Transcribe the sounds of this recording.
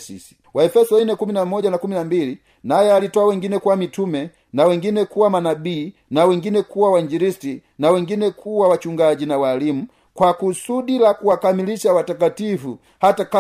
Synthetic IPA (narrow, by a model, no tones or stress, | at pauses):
sḭsi̥ | wʔaɛfɛsɔinɛkuminamɔɟanakuminambili | najɛalitɔawɛŋɡinɛkuwamitumɛ | nawɛŋɡinɛkuwamanabiː | nawɛŋɡinɛkuwawaɲd͡ʒiɾisti | nawɛŋɡinɛkʰuwawat͡ʃuŋɡaɟinawalimu | kwakusudilakuwakamiliʃawatakatifṵ | hataka